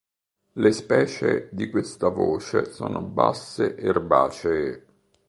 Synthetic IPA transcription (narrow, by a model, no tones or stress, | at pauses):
lespɛːt͡ʃed̪ikwest̪avoːt͡ʃesoːnʔoba̰sːeʔerbaːt͡ʃe